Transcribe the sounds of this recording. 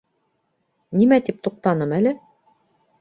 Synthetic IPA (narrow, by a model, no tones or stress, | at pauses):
nimæt̪ip̚t̪uq̚t̪ɑnɤmælɘ